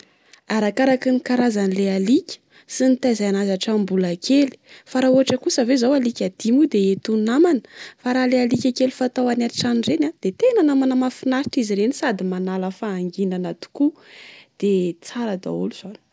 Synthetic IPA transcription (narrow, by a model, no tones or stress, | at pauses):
aɾakaɾakinikaɾazanilealikʲə̥ | sinit̪azajanazaʈ͡ʂambulakʰeli̥faɾauɦaʈ͡ʂəkusəvezawalikʲad̪̥imud̪eet̪unamanə̥faɾalealikʲakelifat̪awanaɾiʈ͡ʂanirenad̪̥et̪enanamanəmafinaɾiʈ͡ʂiziɾenisad̪imanaləfaːŋɡinanat̪u̥kud̪̥et͡saɾad̪a̰ṵluz̥ani̥